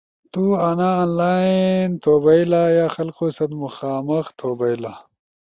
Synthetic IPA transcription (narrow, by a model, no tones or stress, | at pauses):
t̪uːɐnaːaːnlaːint̪ʰoːbɐilaːjaːxɐlqoːsɐt̪muxaːmɐxt̪ʰoːbɐjlaː